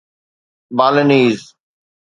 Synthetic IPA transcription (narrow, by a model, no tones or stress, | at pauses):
baːləniːz